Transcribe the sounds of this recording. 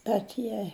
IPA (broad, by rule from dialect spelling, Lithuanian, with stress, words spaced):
bʲɛt ˈjiɛ